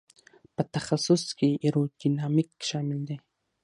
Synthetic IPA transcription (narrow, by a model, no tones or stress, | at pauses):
pat̪aχasʊskiʔɪɾud̪inamɪkʃamɪld̪e